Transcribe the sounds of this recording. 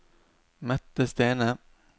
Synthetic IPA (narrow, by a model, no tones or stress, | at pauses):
mœt̪ːəst̪eːnə